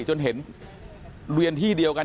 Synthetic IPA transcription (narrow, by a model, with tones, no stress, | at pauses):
t͡ɕo˧nɦe˩˦n | ɾwi˧ənt̪ʰiː˥˩di˧əwka˧n